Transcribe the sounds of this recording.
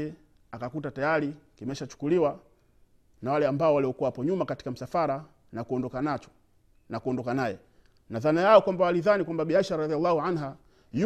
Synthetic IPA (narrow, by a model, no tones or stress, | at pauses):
ɛ | akakutatajaɾikimɛʃat͡ʃu̥kuliwa | nawalɛambaɔwaliɔkuwawapɔɲumakati̥kam̩safaɾa | nakuɔndɔkanat͡ʃɔ̥ | nakuɔndɔkanajɛ | naðanajaɔkwambawaliðanikwambabiaʃaɾɾɑðialːahuanɦa | ju